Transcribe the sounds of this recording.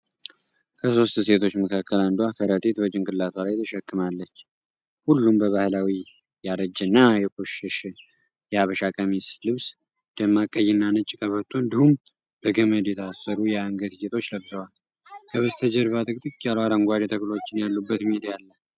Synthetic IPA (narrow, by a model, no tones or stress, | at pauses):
kʰəso̞st̪se̞t̪ʰo̞t͡ʃːməkʰakːəland̪uafʰəɾət̪ʼet̪bəd͡ʒʼɪŋkʼɨlːat̪ʰwalajt̪ʰəʃɛkːɨmalːət͡ʃː | hulːumbəβahlawi | jaɾəd͡ʒɨnːajɛkʼuʃɪʃ | jɛaβəʃakʼəmislɨβs | d̪̥əmːakʼːəjːɪnːanɨt͡ʃʼːkʼəβət̪ʰuɨnd̪ihum | b̥əɡəməd̪jɛt̪ʰasːəɾujɛaŋɡət̪set̪ʰʼo̞t͡ʃːləbzəwal | kʰəβəst̪ʰəd͡ʒɛɾβat̪ʼɨkʼt̪ʼɨkʼjalaɾəŋɡʷad̪ɛt̪ʰəklo̞t͡ʃːɪnjalːubːət̪mied̪jalːə